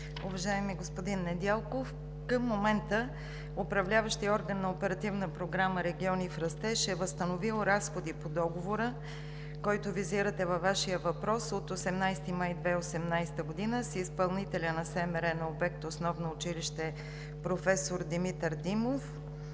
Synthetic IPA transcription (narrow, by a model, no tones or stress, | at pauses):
ʊvɐʒaɛmiɡospod̪inːɛd̪alˠkof | kəmːomɛnt̪ə | opɾɐvlʲavəʃt̪iɔɾɡənːɐopɛɾɐt̪ivnəpɾoɡɾaməɾɛɡʲiɔnifɾɐst̪ɛʃɛvəst̪ənovilˠɾasxod̪ipod̪ɔɡovoɾə | kɔjt̪ʊviziɾət̪ɛvɐvːaʃijəvɐpɾɔsot̪osɛmnajst̪imajd̪vɛosɛmnajsɛ̥t̪əɡod̪inəsispɐlˠnit̪ɛlʲənɐsɛmɛɾɛnɐobɛk̚t̪osnɔvnoːt͡ʃiliʃt̪ɛ | pɾofɛsoɾd̪imit̪əɾd̪imof